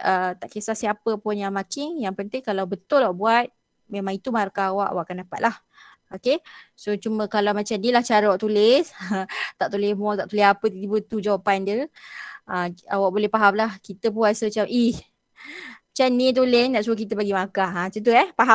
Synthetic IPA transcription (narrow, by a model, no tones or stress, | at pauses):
ət̪aʔkesahsiapəpʊnjaŋmakɪŋjaŋpənt̪ɪŋkalawbət̪ʊlwaʔbuat̪̚ | memãŋit̪umaaɾukaawaʔa̰wa̰ʔkandapat̪̚lah | okesot͡ʃumə̃kalawmat͡ʃamnilaht͡ʃaɾəwaʔt̪ulɪsət̪aʔt̪ulehmɔt̪aʔt̪ulɪɦapət̪iibət̪ud͡ʒawapandə | əa̰waʔ̚bolɛhpaɦamlahkit̪əpuasəmat͡ʃamʔih | t͡ʃanĩt̪̬ulɪsnaʔsuək̬it̪əbaɡimakaat͡ʃət̪uɛhpaɦa